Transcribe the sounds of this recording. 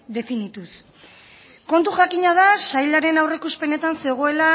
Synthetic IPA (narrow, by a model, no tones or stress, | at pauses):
d̪e̞finit̪us | ko̞nt̪uxakiɲað̞asajlaɾe̞nawrekuspe̞ne̞t̪anse̞ɣ̞o̞e̞la